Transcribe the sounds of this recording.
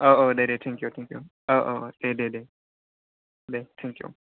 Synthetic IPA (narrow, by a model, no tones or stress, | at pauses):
ʔoʔoːdeɖet̪ʰɛ̃ŋkjut̪ʰɛ̃ŋkjṵ | oʔoːʔodeɖedeː | det̪ʰɛ̃ŋkjṵ